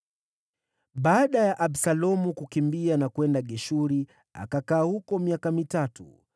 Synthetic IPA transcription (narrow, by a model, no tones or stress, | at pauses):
ɓaːɗajaʔaɓsalɔmukukimbianakwɛndaɠɛʃuɾi | a̰kakaːhukɔmiakamitatṵ